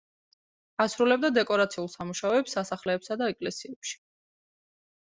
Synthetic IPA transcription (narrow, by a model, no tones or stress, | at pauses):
asɾulɛb̚d̪ad̪ɛkʼɔɾat̪sʰiulˠsamuʃaɔɛpsːasaχlɛːpsad̪aɛkʼlɛsiɛpʃi̥